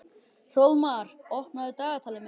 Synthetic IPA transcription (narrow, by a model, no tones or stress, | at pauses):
r̥owðmaðaɾɔhpnaðʏt̪aːɣat̪ʰalɪmɪ